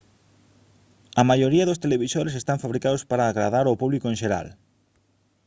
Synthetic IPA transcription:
ɐmajoɾiɐðost̪eleβisoɾes̬est̪aɱfaβɾikaðospaɾaːɣɾaðaɾopuβlikoʊẽnʃeɾa̰l

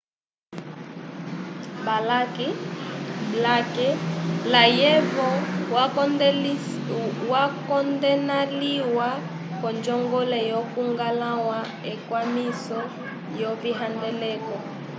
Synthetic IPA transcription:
balaki | blakɛlajɛvɔ | wakɔndɛnaliwa | kɔnd͡ʒɔŋɡɔlɛjɔkuŋɡalawa | ɛkwamisɔ | jɔviɦandɛlɛkɔ

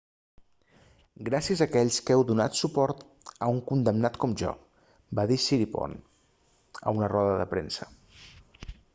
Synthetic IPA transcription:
ɡɾasiəzəkɛʎskɛwðuna̰t̪supɔɾt̪ | əuŋkund̪əmnat̪kɔmʒɔ̰ | baðisiɾipɔ̰n | ə̰unərɔðəðə̰pɾensə̥

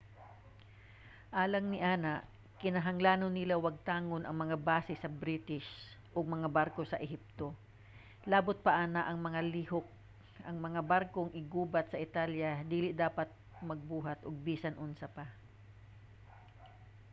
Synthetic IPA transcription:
ʔaːlɐŋnɪʔaːnaʔ | kɪnɐɦɐŋlaːnonːɪlawɐɡ̚t̪aːŋonʔɐŋmɐŋabaːsɛsɐbɾit̪ɪʃ | ʔoɡ̚mɐŋabaɾko̞sɐʔɛɦip̚t̪o̞ | laːbʊt̪̚pɐʔaːnaʔɐŋmɐŋalihok̚ | ʔɐŋmɐŋabaɾkoŋʔɪɡuːbat̪sɐʔɪt̪aljad̪iːlɪʔd̪aːpat̪̚mɐɡ̚buːɦat̪ʔoɡ̚biːsɐnʔʊnsapa

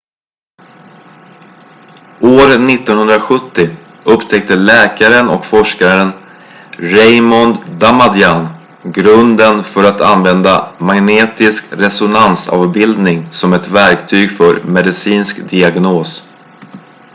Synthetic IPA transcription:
oːɾnɪt̪ːɔnhɵnd̪ɾaɧɵt̪ːɪ | ɵpt̪ʰɛk̚t̪əlɛːkaɾənɔ̰kfɔʂkaɾən | ɾɛjmɔnd̪amad̪jan | ɡɾɵnd̪ənfœɾat̪a̰nvɛnd̪amaŋneːt̪ɪskɾɛsʊnansɑ̰ːvbɪld̪nɪŋsɔmɛt̪væɾkt̪ʰyːɡfœɾmɛd̪ɪsiːnskd̪ɪaɡnoːs

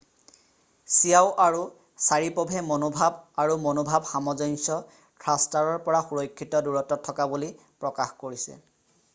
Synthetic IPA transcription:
sijaʊʔaɹu | saɹipɔbʱɛmonobʱabaɹumonobʱabxamɔzɔnsɔ | tʰɹastaɹɔɹpɔɹaxuɹɔkʰːitɔduɹɔtːɔtʰːɔkabuli | pɹɔkaxkoɹisɛ̰

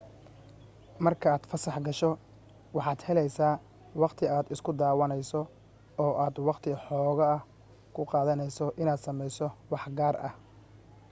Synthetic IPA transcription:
mɐrkʰɐaːd̪fɐsɑħɡɐʃɔ | wɑħɑːd̪hɛlɛjsaː | wɑqt̪ʰɪaːd̪ɪskʰʊd̪aːwɐnɛjsɔ | ɔːʔaːd̪wɑqt̪ʰɪħɔːɣɐɐh | kʰʊqɑːðɐnɛjsɔʔɪnaːd̪sɐmɛjsɔwɑħɡaːrɐ̰h

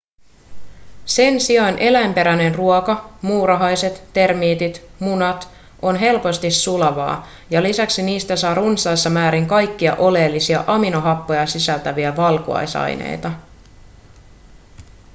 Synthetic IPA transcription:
se̞nsiɑnʔe̞læjmpe̞ɾæne̞nruokɑmuːɾɑɦɑjse̞t̪ːe̞rmiːt̪it̪munɑt̪ | o̞nɦe̞lpo̞st̪isːulɑʋɑ̰ː | jɑlisæksiniːst̪æsɑːrunsɑjsːɑmæːɾiŋkɑjkːiɑ̰ʔo̞le̞ːlːisiɑʔɑminoɦɑpːo̞jɑsisælt̪æʋiæʋɑlkṵɑ̰jsɑ̰jnḛjt̪ɑ

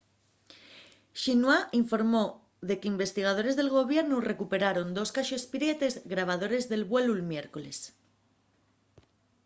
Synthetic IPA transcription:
ʃinwaiɱfo̞ɾmo̞ | ðe̞keimbe̞st̪iɣ̞að̞o̞ɾe̞zðe̞lɣ̞o̞β̞je̞ɾnure̞kupe̞ɾaɾo̞nd̪o̞skaʃoespiɾe̞t̪e̞zɣɾaβ̞aðo̞ɾe̞zðe̞lβwe̞lulmje̞ɾko̞le̞s

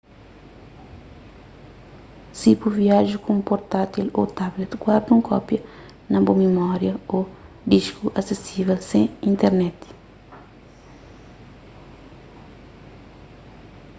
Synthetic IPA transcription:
sipuviaʒukũũpoɾt̪at̪ilot̪ablet̪ɡwaɾd̪ũŋkʰɔpjɐ | nɐbomemɔɾjɐo | d̪iʃkuʔɐsesivelsẽĩnt̪eɾnɛt̪i̥

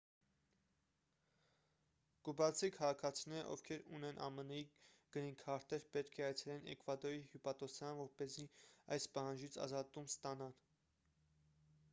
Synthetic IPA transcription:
kubɑt͡sʰikʰɑʁɑkʰɑt͡sʰinɛɾə̰ʔɔ̰vkʰɛɾunɛnʔɑ̰mənɛiɡ̥əniŋkʰɑɾt̪ɛɾpɛt̪kʰɛɑjt͡sʰɛlɛnʔɛ̰kvɑd̪ɔihupɑt̪ɔsjɑnvɔɾpɛziɑ̰jspɑhɑnd͡ʒit͡sʰɑ̰zɑt̪umst̪ɑnɑl

